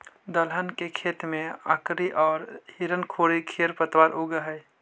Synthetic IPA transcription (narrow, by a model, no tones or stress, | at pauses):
d̪əlɦənkekʰet̪mẽa̰kɾiʔɔːɾhiɾənkʰoɽikʰeɾpət̪waɾʔuɡəɦəj